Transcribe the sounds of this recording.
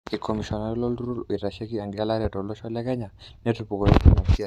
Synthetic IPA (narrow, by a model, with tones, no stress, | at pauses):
i˨kʰɔ˨mi˨ʃɔ˨na˦ɾlɔ˦lu˦ɾu˦ɾi˨ta˨ʃe˦ki˦a˨ŋɡi˨a˦la˦ɾɛ˨tɔ˨lɔ˦ʃɔ˦la˦kɛ˦ɲa˨nɛ˦tu˨pu˨kɔ˨jitu˦ma˨ki˦